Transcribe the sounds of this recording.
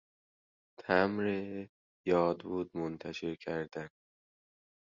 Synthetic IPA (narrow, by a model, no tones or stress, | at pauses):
t̪ʰæmɾe | jɒːd̪buːd̪̚mont̪ʰæʃe̞ɾcʰæɾd̪æn